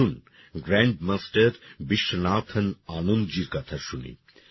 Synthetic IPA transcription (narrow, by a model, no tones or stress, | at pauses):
un | ɡɾɛɳɖ̚masʈɐɾbiʃːonat̪ʰɐnanond͡ʑiɾkɔt̪ʰaʃunḭ